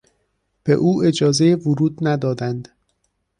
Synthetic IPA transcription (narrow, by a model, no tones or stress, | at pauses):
b̥ḛʔuːʔe̞d͡ʒɒːze̞jevʊɾuːd̪næd̪ɒːd̪ænd̪